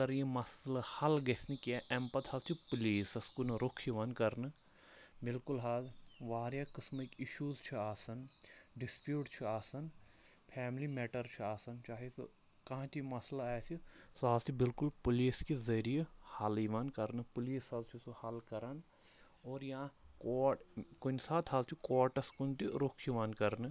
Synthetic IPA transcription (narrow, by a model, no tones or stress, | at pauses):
kɐɾjimɐslahɐlɡɐsnikiaʔɛmpɐt̪ʰaːzt͡ʃʰipuliːsɐskunɾokʰiʋɐnkɐɾnɨ | bɪlkulɦaːzʋaːɾjakɪsməkiʃuːzt͡ʃʰiaːsɐnɖɪspjuːʈt͡ʃʰiaːsɐn | pʰɛːmlimɛːʈɐɾt͡ʃʰuaːsɐnt͡ʃaːɦes | kɐɦãːt͡ʃimɐslaɛːsisaːzt̪ʰibɪlkʊlpʊliːskezɐɾijehaliʋankɐɾnpʊliːsazt͡ʃʰusuhɐlkɐɾɐn | oːɾjɐãkːkʊnsaːt̪ʰɦazt͡ʃʰikoːɾʈɐskʊnt̪iɾokʰiʋankɐɾn